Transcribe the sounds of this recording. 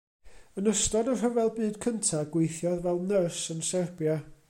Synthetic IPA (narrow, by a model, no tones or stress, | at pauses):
ənəstɔdərɦəvɛlˠbɨːd̥kʰəntʰaɡwejθjɔðvɛlˠnərsənsɛrbja